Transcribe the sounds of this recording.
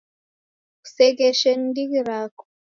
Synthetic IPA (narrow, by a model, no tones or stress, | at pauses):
u̥sɛɡɛʃɛn̩diɡiɾakɔ̥